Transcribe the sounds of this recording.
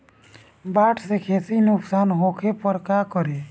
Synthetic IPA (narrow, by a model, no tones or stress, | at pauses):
baːʈʰsekʰeːsinʊksaːnɦoːkʰepɔɾkaːkɔɾeː